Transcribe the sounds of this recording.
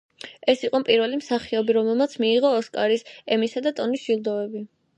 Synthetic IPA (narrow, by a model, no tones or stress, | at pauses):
ɛsiqʼɔpʼiɾvɛlimsaχiɔbiɾɔmɛlˠmat̪sʰmiːʁɔːskʼaɾisɛmisad̪at̪ʼɔnisʒ̥ilˠd̪ɔvɛbi